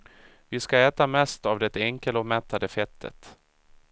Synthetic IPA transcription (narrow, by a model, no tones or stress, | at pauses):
vɪskaɛːt̪amɛst̪avd̪ɛt̪ːəɛŋkəlɔmɛt̪ʰːad̪əfɛt̪ʰːə̰t̪